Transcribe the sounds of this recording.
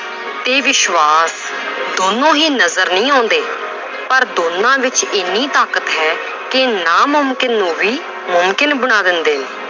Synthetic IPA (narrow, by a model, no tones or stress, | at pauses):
t̪eːʋɪʃʋaːs | d̪oːnõːɦiːnəzəɾnĩːãːʊ̃nd̪eː | pəɾd̪oːnːãːʋɪt͡ʃɪnːiːt̪aːkət̪ɦɛː | kɪnaːmʊmkɪnːũːʋiː | mʊmkɪnbəɽ̃aːd̪ɪnd̪eːneː